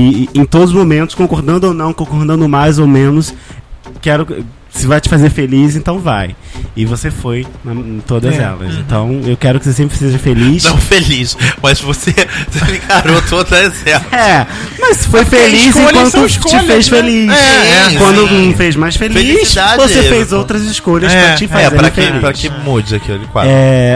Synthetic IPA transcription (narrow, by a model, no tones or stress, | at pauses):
ɪẽj̃t̪od̪ʊzʊzmõmẽnt̪ʊ̥skõkoɾd̪ɐ̃nd̪ʊonɐ̃w̃kõkoɾd̪ɐ̃nd̪ʊmajzowmẽnʊskɛɾʊ | sɪvajt͡ʃɪ̥fazeɾfelizẽnt̪ɐ̃w̃va̰jɪvosefojnɐ̃t̪od̪ɐzɛ̰lɐ̰sḛ̃nt̪ɐ̰̃w̃ewkɛɾʊkɪses̬ẽmpɾɪ̥seʒɐfelisnɐ̃w̃feliʃmɐzvosesemikaɾot̪od̪ɐɛsɛɾɛ | mɐssɪ̥fojfelisẽkwɐ̃nt̪ʊʃt͡ʃɪfejsfeliɛkwɐ̃nd̪ʊ̃fezmajsfeleissd̪ad͡ʒvossefejzowt̪ɾɐzɪʃkoʎɐspɾɐt͡ʃɪfazɛepɾɐ̃kfelipɾɐkẽmud͡ʒɪɐkiolɪkwa̰ɛ